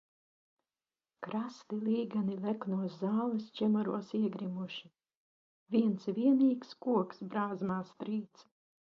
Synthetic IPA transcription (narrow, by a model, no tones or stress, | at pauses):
kɾast̪ilˠiːɡanilʲɛknuɔszaːlˠɨst͡ʃʲɛmɔɾuɔsiɛɡɾimuʃi | vʲiɛntsvʲiɛniːkskuɔksbɾaːzmaːst̪ɾiːt̪s